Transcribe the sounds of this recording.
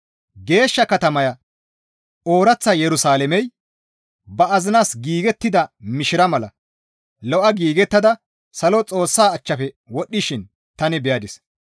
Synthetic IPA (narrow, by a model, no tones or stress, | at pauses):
ɡe̞ːʃːɐkɐt̪ɐmɐjɐ | o̞ːɾɐt͡sːɐjɛɾʊsaːlɛmɛj | bɐʔɐzɪnaːsɡiːɡɛt̪ːɪd̪ɐmɪʃɪɾɐmɐlɐ | lɔʔɐɡiːɡɛt̪ːɐd̪ɐ | sɐlɔt͡sʼo̞ːsːaːt͡ʃːɐpɛ | wɔɗːɪʃɪn | t̪ɐnɪbɛjɐd̪ɪs